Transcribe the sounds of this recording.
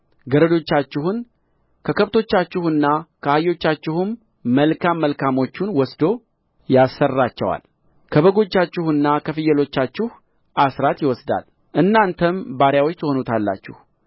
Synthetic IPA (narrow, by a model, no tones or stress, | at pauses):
ɡəɾəd̪o̞t͡ʃːat͡ʃːɪhun | kʰəkʰəβt̪ʰo̞t͡ʃːat͡ʃːɪhɨnːakʰəajo̞t͡ʃːat͡ʃːɪhumː | əlkʰamːəlkʰamo̞t͡ʃːunwɔsd̪o̞ | jasːərːat͡ʃːɛwa̰l | kʰəβəɡo̞t͡ʃːat͡ʃːɪhɨnːakʰəfɨjːəlo̞t͡ʃːat͡ʃːɪh | ʔasɾat̪jɪwɔsd̪a̰l | ʔɨnːant̪ʰəmbaɾjawot͡ʃːt̪ʰəho̞nut̪ʰalːa̰t͡ʃːɪh